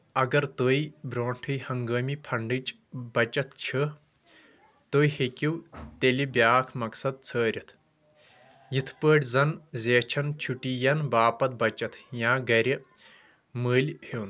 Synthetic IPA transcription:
ɐɡɐɾt̪oːjbɾoːɳʈʰɨjhɐŋɡɐːmipʰɐɳɖɨt͡ʃʼ | bɐt͡ʃɐt̪ʰt͡ʃʰɨ | t̪oːjhekʲiwt̪elibʲjaːkʰmɐksɐd̪̚t͡sʰəːɾʲɐt̪ʰ | jit̪ʰpəːʈʲzɐnzʲeːt͡ʃʰɐnt͡ʃʰuʈijɐnbaːpɐt̪̚bɐt͡ʃɐt̪ʰjãːɡɐɾʲi | mɨːlʲhiːn

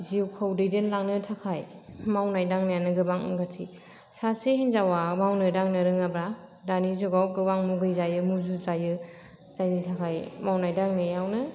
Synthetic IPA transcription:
ziwkʰɯwdɯjdenlaŋnɯtʰakʰajmawnajdaŋnɯjanɯɡɯbaŋɯ̰ŋɡatʰi | sasehinzawamawnɯdaŋnɯɾɯŋabɾadanizuɡawɡɯbaŋmuɡɯjzajɯmuzuzajɯ | z̥ajnɯtʰakʰajmawnajdaŋnɯjawnɯ

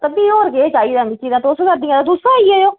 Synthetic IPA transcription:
t̪əbiːoːɾɡeːt͡ʃaːiːd̪ãːmɪt͡ʃːiːd̪ãːt̪eʊskəɾd̪ijãːd̪aːd̪usãːiːeːjoː

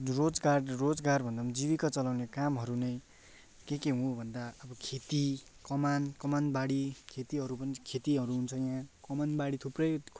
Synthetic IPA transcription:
rod͡zɡaɽrod͡zɡarbʱʌnd̪amd͡ziβikat͡sʌlawnekamɦʌɾunʌj | kekeɦũbʱʌnd̪aʌbʌkʰet̪i | kʌmankʌmanbaɽikʰet̪iɦʌɾupʌnikʰet̪iʌɾuɦunt͡sʰʌjãkʌmanbaɽit̪ʰuprʌjkʰ

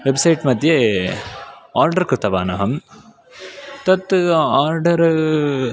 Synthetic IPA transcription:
ʋebsɐjʈmɐd̪ʱje | aːɾɖɐɾkɾut̪ːɐʋaːnɐɦɐm | t̪ɐt̪ːaːɾɖɐɾ

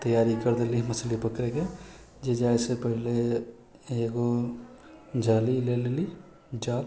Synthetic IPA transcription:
t̪əjaːɾikəɾd̪eliməslipəkɾeke | d͡ʒed͡ʒaːesepəɦle | eɡo | d͡ʒaːlileleli | d͡ʒaːl

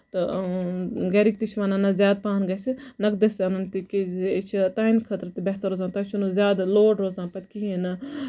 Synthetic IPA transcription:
t̪ɐ | ɡɐɾik̚t̪it͡ʃʰʋananɐzʲjaːd̪̚paːnɡɐsinɐk̚d̪esɐnɐnt̪ikit͡ʃʰit̪aːinkʰɐt̪ɾt̪ibeɦt̪ɐɾoːzaːnt̪ɐt͡ʃʰunuzʲjaːd̪loːɖɾoːzaːnpɐt̪ʲkienɐ

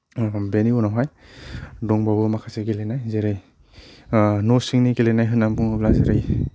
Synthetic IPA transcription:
beniunawɦaj | dɔŋbabɯmakʰaseɡelenajzeɾɯj | nɔsiŋniɡelenajɦɯnːampuŋɯblazeɾej

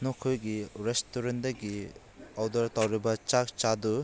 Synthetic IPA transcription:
nɔkʰojɡiɾestuɾendɐɡi | awdɐɾtawɾibɐt͡ʃak̚t͡ʃadu

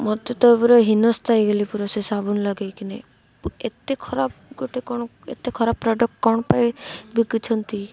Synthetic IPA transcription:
mɔd̪ʱjɔt̪ɔbɔɾɔɦinɔst̪ʰajɡelipuɾɔsesabʱunlɔɡejkine | et̪ekʰɔɾabɡoʈekɔɳ̃ɔ | ḛt̪ekʰɔɾabɾɔɖɔkkɔɳ̃ɔpajbikit͡ʃʰɔnt̪i

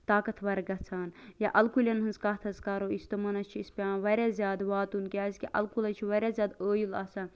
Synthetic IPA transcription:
t̪aːkɐt̪ʰʋɐɾɡɐtt͡sʰaːnjaʔɐlkulʲɐnɦɐnzkaːt̪ʰɐzkaːɾoːist̪omɐnɐst͡ʃʰiispʲaːʋɐɾʲaːzʲjaːd̪ʋaːt̪unkʲiaːzkʲiʔɐlkulɐt͡ʃʰiʋɐɾʲazʲjaːd̪əːjulɐ̰sɐ

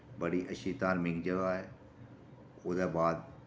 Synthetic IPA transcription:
bəɽiːʔəʃiːt̪aːɾmɪɡd͡ʒəɡaːɦɛː | ʊd̪aːbaːd̪

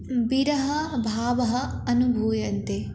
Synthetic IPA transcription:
biɾɐɦɐbʱaːʋɐɦɐɐnubʱuːjɐnt̪e

